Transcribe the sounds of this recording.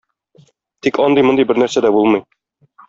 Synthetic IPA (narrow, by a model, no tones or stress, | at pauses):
t̪ikɒnd̪ɤjmŏnd̪ɤjbɘɾnæɾsæd̪æbulˠmɤj